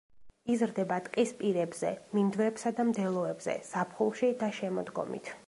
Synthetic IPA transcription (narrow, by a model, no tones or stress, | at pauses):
izɾd̪ɛbat̪ʼqʼispʼiɾɛbz̥ɛ̰mimd̪vɾɛpsad̪amd̪ɛlˠɔɛbz̥ɛ̰sapʰχulˠʃid̪aʃɛmɔd̪ɡɔ̰mḭt̪ʰ